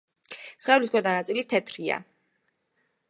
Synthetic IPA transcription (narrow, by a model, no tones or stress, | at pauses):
sχɛvliskʰʷwɛd̪anat̪sʼilit̪ʰɛt̪ʰɾia̰